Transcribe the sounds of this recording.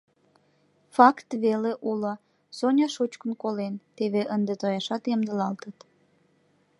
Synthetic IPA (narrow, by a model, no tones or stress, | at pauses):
fɑkt̪βeleʔulo | sonʲɑʃut͡ɕkənkolent̪eβeʔənd̪et̪ojɑʃɑt̪ɑmd̪əlɑlt̪ət̪